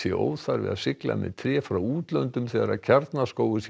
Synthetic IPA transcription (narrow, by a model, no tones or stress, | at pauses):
jɛʔo̰ːwðθaɾvɪ̰ða̰ðsɪkla̰mɛ̰ðt̪ʰɾɛːfɾawuːt̪lœnt̪ʏmθɛːɣaɾa̰cʰaɾt̪naskoːwʏs